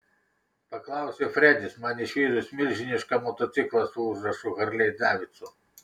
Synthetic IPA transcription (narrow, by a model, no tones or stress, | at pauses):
pɐklˠɑˑʊsʲɛfɾʲɛd̪ʲɪsmɑnʲɪʃʲiːd̪ʊsʲmʲɪlʲʒʲɪnʲɪʃkɐmɔt̪ɔt̪sʲɪklˠɐsuʒɾɐʃʊɣɐɾʲlʲɛjd̪ɑːʋʲɪt̪sʊ